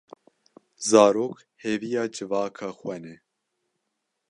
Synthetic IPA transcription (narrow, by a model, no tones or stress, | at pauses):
zɑːɾoːk | hevijɑːd͡ʒɨvɑːkʰɑːxwɛnɛ